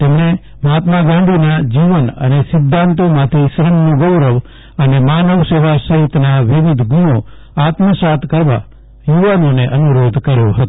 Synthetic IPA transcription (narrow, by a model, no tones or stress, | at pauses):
t̪emne | mat̪maɡãɳɖinad͡ʒiʋənə̰nesɪd̪ʱːãnt̪õmãt̪ʰiʃɾənːõɡəwɾəʋ | ənemaːnəʋseʋasəɦit̪naʋɪʋɪd̪ʱɡuɽ̃o | aːt̪məsat̪ʰkəɾʋa̰ | juʋanoneʔənuɾod̪ʱkəɾjoɦət̪o